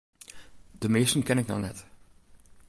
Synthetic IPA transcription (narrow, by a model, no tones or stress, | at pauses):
d̥əmeːstənkɛnɪknɔ̰nɛt